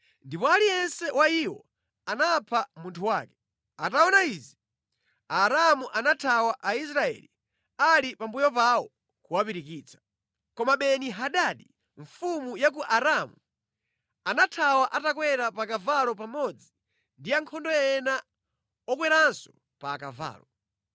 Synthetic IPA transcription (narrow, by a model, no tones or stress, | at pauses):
ndipɔalijɛnsɛwaiwɔ̰ | anapʰamuntʰuwaːkɛ | ataɔnaizi | aɾamuʔanatʰawaʔais̬ɾaɛ̰lḭ | alipambujɔp̬aɔ | kuwapiɾikiːt͡sʰḁ | kɔmaɓɛniɦaɗaɗi | ɱfumujak̬uʔaɾamu | anatʰawaʔatak̬wɛɾapakavalɔpamɔd͡zi | ndiaŋkʰɔndɔɛna | ɔk̬wɛɾansɔ̥ | paːka̰va̰ːlɔ